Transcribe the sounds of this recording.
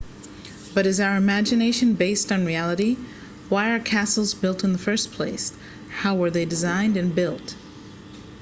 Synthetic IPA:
b̥ʌɾɨzaʊə˞ɨmæd͡ʒɨneɪʃɨ̃nbeɪstn̩ɹiælˠəɾi | waɪə˞kʰæsl̩ˠzbɪlˠtn̩ðəfɜ˞spʰl̥eɪs | haʊwə˞ðeɪdɨzãɪ̃ndɨ̃nbɪlˠt

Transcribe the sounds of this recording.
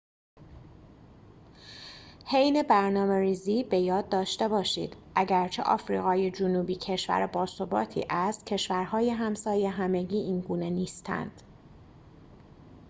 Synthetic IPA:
he̞jne̞bæɾnɒːme̞ɾiːziːbe̞jɒːd̪̚ːɒːʃt̪e̞bɒːʃḭːd̪̥ʔæɟæɾt͡ʃʰe̞̰ʔɒ̰ːfɾḭːɣɒːjed͡ʒunuːbiːcʰe̞ʃvæ̰ɾebɒːso̞bɒ̰ːt̪ʰḭːʔæst̪̚cʰe̞ʃvæɾɦɒːje̞ɦæmsɒːjeɦæme̞ɡɟiːʔiːnɡuːne̞niːst̪ʰæ̰nd̪̥

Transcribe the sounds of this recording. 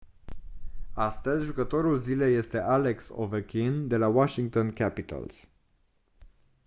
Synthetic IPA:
ast̪əzʲʒukət̪o̞ɾulzile̞je̞st̪e̞ʔale̞kso̰vəkʲind̪e̞lawaʃiŋɡ̚t̪o̞nkʲapit̪ə̰ls

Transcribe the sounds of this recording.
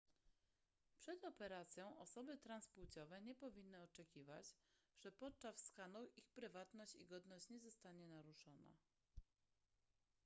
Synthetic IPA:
pʂɛd̪ɔpɛɾat̪sʲjɔ̃w̃ɔsɔbɘt̪ɾansput͡ɕɔvɛɲɛpɔvʲinːɘɔt͡ʂɛkʲivat͡ɕʐ̥ɛpɔt̪̚t͡ʂasskanɔwʔixpɾɘvat̪nɔɕt͡ɕḭɡɔd̪nɔɕt͡ɕɲɛzɔst̪aɲɛnaɾuʂɔna̰

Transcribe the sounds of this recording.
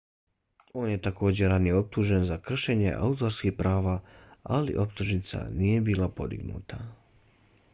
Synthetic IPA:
o̞ːnje̞t̪ako̞ːd͡ʑe̞ɾanijeo̞p̚t̪uːʒe̞nzakr̩ʃe̞ɲe̞̰ʔa̰ut̪oɾskihpɾʔaːʋaːalḭʔo̞pt̪uʒnit̪sa̰nije̞biːlapo̞d̪ḭɡnṵːt̪a

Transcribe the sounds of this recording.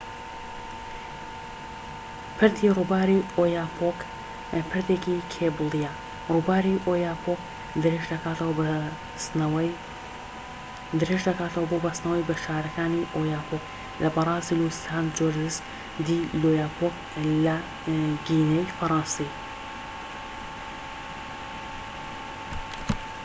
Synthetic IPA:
pʰɨɾt̪ʰirubaːɾiojaːpʰok | pʰɨɾt̪eːkikʰebulˠija | ruːbaːɾiʔoːjaːpʰok | d̪ɨɾeʒd̪ɐkaːt̪ɐwɐ | d̪ɨɾeʒd̪ɐkaːt̪ɐwɐbobɐst̪nɐwɐjbɨɾʃaːɾɐkaːniʔojaːpʰok | lʔɐbɑɾˤɑːzilusaːnd͡ʒoɾd̪ɨs | d̪iloːjaːpʰok | lɐ | ɡiːnejfɐɾˤɑːnsi

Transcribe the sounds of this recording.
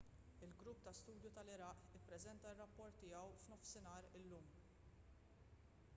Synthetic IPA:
ɪlɡɾʊpːt̪ɐst̪uːd̪jut̪ɐlɪɾɐʔɪpːɾɛzɛnt̪ɐrːɐpːɔɾt̪ːɪːɐwfnɔfsɪnɐːɾɪlːuːm

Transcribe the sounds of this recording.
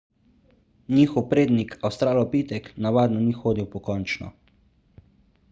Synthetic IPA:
niːxɔwpɾeːd̪nikʰawst̪ɾaːlɔpiːt̪ɛknaʋaːd̪nɔnixoːd̪iwpɔkɔnt͡ʃnɔ̰

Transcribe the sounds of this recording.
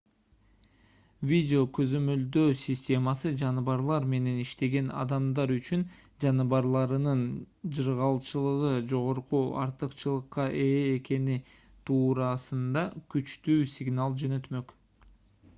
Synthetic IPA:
vʲidʲɪo̞kø̞zø̞mø̞ld̪øːsʲisʲtʲe̞mɑsɯd͡ʒɑnɯβɑɾlˠɑɾme̞ne̞niʃt̪e̞ɡe̞nɑ̰d̪ɑmd̪ɑɾyt͡ʃyn | d͡ʒɑnɯβɑɾlˠɑɾɯnɯn | d͡ʒɯɾʁɑlˠt͡ʃɯlˠɯʁɯd͡ʒo̞ʁo̞ɾquɑ̰ɾt̪ɯqt͡ʃɯlˠɯqːɑʔeːke̞ni | t̪ʰuːɾɑsɯnd̪ɑkyt͡ʃt̪yːsʲɪɡnɑlˠd͡ʒø̞nø̞t̪mø̞k

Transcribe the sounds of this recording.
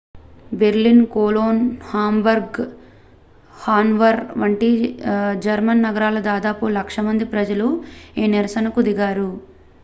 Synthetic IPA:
beɾlinkoːloːnhaːmbɐɾɡ | haːnʋɐɾʋɐɳʈid͡ʒɐɾmɐnːɐɡɐɾaːlɐd̪aːd̪aːpulɐkʂɐmɐnd̪ipɾɐd͡ʒɐluiːniɾɐsɐnɐkud̪iɡaːɾu

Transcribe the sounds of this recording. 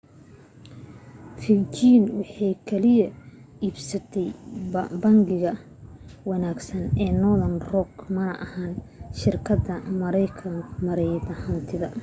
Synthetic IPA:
fɪt͡ʃiːnwɑħɑjkʰɛlɪjɐiːbsɐt̪ʰɛjbɐŋɡɪɣɐ | wɑnaːɡsɐnɛːnɔðɐnrɔɡmɐnɐ̰ʔɐhaːnʃɪrkʰɐd̪ɐmɐɾɛjkʰɐŋkʰmɐɾɛjðɐhɐnt̪ʰɪðɐ

